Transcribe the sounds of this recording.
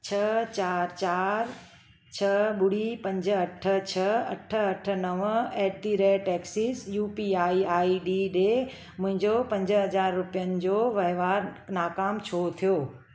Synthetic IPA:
t͡ɕʰɐt͡ɕaːɾt͡ɕaːɾ | t͡ɕʰɐɓʊɽipɐ̃ɲd͡ʑɐʈʰə̆t͡ɕʰɐɐʈʰə̆ɐʈʰə̆nɐʋɛːʈ̚d̪iːɾeːʈeːksisjuːpiaːiaːiɗiɗe | mʊ̃ɦɪ̃ɲd͡ʑopɐ̃ɲd͡ʑəɦɐd͡ʑaːɾːʊpijənɪ̆d͡ʑoʋɐɪʋaːɾnaːkaːmt͡ɕʰoːt̪ʰijoː

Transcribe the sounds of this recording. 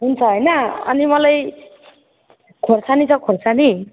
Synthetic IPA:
ɦunt͡sʰʌɦʌjnʌʌ̰nimʌlaj | kʰorsʰanit͡sʰʌkʰorsani

